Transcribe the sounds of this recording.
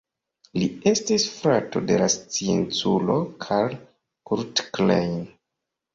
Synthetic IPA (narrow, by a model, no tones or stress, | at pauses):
lie̞stisfɾato̞de̞last͡sient͡sulo̞kʰal | kuɾtklejn